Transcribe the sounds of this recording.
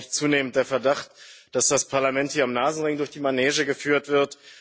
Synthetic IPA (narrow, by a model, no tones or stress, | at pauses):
ɪçt͡suːneːmən̩t̚d̥eːɐfɛɐdaχtd̥asd̥aspʰaɐlamɛnthiːɐɪmnaːzn̩ʁɪŋdʊɐçd̥iːmanɛːʒəɡəfyːɐtv̥ɪɐt